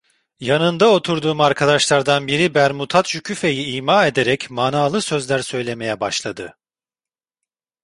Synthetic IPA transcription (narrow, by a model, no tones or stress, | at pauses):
janɯnd̪ao̞t̪ʰuɾd̪uːmaɾkʰad̪aʃlˠaɾd̪anbiɾibæɾmut̪ʰat̪ʃycʰyfe̞jiiːmaːe̞d̪e̞ɾɛcmanaːlˠɯsø̞zlʲæɾsø̞jlʲe̞me̞jɛbaʃlˠad̪ɯ